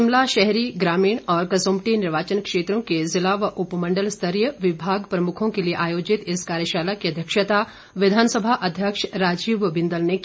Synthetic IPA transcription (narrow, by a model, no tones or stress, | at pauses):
ɪmlaʃɛɦɾiɡɾaːmiːɽ̃ɔːɾkɐsõːmʈinɪɾʋaːt͡ʃənkʃeːt̪ɾõkezɪlaːʋʔʊpmɐ̃ɳɖəlst̪ʰəɾjəʋɪbʱaːɡpɾɐmʊkʰõkelieʔaːjoːd͡ʒɪt̪ɪskaːɾjəʃaːlakiɐd̪ʱjəkʃət̪a | ʋɪd̪ʱaːnsəbʱaʔɐd̪ʱjəkʃɾaːd͡ʒiːʋbɪ̃nd̪əlne